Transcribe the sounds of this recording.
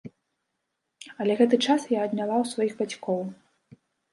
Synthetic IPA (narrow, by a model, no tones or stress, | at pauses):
ɐlʲɛɣɛt̪̬ɨt͡ʂasjaɐd̪nʲalˠawsvajiɣbat͡sʲkɔw